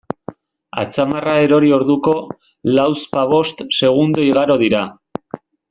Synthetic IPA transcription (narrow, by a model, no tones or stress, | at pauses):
a̰t͡samarae̞ɾo̞ɾio̞ɾðuko̞ | lawspaβo̞st̪se̞ɣ̞und̪oiɣaɾo̞ð̞iɾa